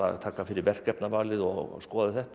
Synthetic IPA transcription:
a̰ðt̪ʰaːkafɪɾɪɾvɛr̥kɛpnavaːlɪðɔɣ̰skɔːðɪθɛht̪

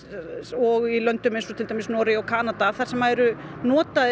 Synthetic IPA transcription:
ɔɣilœnt̪ʏmejnsɔt̪ʰɪlt̪ajmɪsnɔːɾɪawkʰaːnat̪aθaɾ̥sɛmːaɛɾʏ | nɔːt̪a

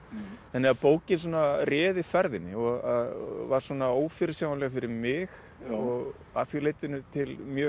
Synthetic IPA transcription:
θanɪɣaðpoːwcɪns̬ɔːnarɛːðɪfɛɾðɪnːɪɔɣaðvaɾ̥sɔːnaoːwfɪɾɪsjawnlɛːɣafɪɾɪɾmɪx | ɔɣ | a̰fjileːjt̪ɪnʏt̪ʰɪlmjœː

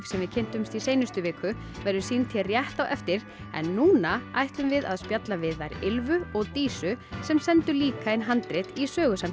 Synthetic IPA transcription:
sɛmvɪðcʰɪn̥t̪ʏmst̪isejnʏst̪ʏveːkʏ | vɛɾðʏsiːnt̪ʰiɛrjɛht̪awʔɛft̪ɪɾ̥ | ɛ̰nːuːnaa̰jht̪ʏmvɪða̰ðspjat̪lavɪðvajɾɪlvʏɔɣt̪iːsʏsɛmsɛnt̪ʏliːkaɪnɦant̪ɾɪt̪isœːɣʏsam

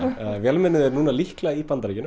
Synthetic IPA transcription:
vjɛlmɛnɪðɛɾnuːnalihklaipant̪aɾicɪnʏ

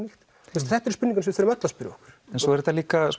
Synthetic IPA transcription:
nixt̪ | ust̪θɛht̪ɛɾspʏnːiŋkansɛvɪθeɾʏmœt̪laspɪɾʏ̰ɔ̰hkʏɾ̥ɛnsɔɛɾɛt̪ːaliːkas

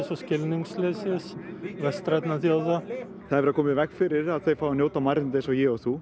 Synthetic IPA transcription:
sɔscɪlniŋslesɪsvɛst̪ɾat̪naθjawða | θaðɾvɛɾakʰoːmɪðvɛkfɪɾɪɾaðθejfawanjoːwt̪amaɾnt̪ɪsɔjɛɔθu

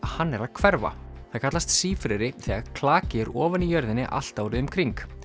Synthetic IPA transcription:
ahanːɛɾaðkʰvɛɾva̰θaðkat̪last̪siːfɾɛɾɪθɛːɣaðkʰlaːcɪɾɔːvanijœɾðɪnːɪʔa̰l̥t̪awɾɪðʏmkʰɾiŋk

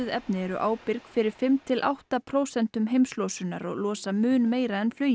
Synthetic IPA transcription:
ʏðɛpnɪɛɾʏ̰ʔaːwpɪɾkfɪɾɪɾ̥fɪmt̪ʰɪlʔa̰wht̪apʰɾoːwsɛn̥t̪ʏmɦejmslɔːsʏnːa̰ɾɔ̰ɣlɔːsamʏːnmeːjɾaɛnflœːɥj

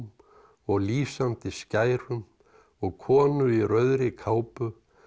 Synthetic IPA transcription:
m | ɔɣliːsamt̪ɪscaːjɾʏm | ɔɣkʰɔːnʏiɾœɥðɾɪkʰaːwpʏ

